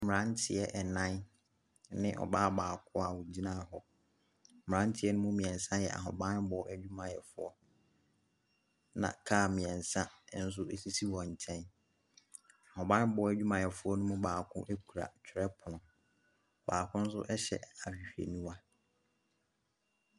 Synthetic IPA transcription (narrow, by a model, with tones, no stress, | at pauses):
mɪ˨ɾã˦n˦tʰɪ˨ɛ˦ʔɛ˨nã˦n | nɪ̃˦ʔɔ̰˨baː˦baː˨kʰʊ˦a˨wʊ˨d͡ʑi˦nã˦˨ɦɔ˦ | mɪ˨ɾã˦n˦tʰɪ˨˦ɛ˦nʊ̃˦mʊ̃˦mĩ˨ɛ̃˨nsã˦jɛ̰˨ʔa̰˨ɦɔ˨bã˦n˦bɔ˨˦ʔæ˦d͡ʑᶣu˦mã˨jɛ˨fʊ˦ɔ˦ | nã̰˨kʰaː˦˨mĩ˨ɛ̃˨n˨sã˦n̩˦s̬ʊ˦e˨si˦si˦wɔ̃˨ɲ̩˨t͡ɕʰɛ̃˦n | a˨hɔ̃˨bã˦bɔ˨˦æ˨d͡ʑᶣu˦mã˨jɛ˨fʊ˦ɔ˦nʊ̃˦mʊ̃˦baː˨kʰʊ̰̃˦ʔe˦kʰu˨ɾa̰˨t͡ɕᶣʰɪ˨ɾɛ˦pʰʊ˨nʊ̃˨ | baː˨kʰʊ̃˦n̩˦s̬ʊ̰˦ʔɛ˦ɕɛ̰˨a˨ɕᶣi˨hᶣi˨ɾḛ˨nũ˦wa˦